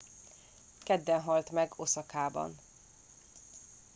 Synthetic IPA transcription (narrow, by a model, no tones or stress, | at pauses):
kɛd̪ːɛnɦɒlt̪mɛɡosɒkaːbɒ̰n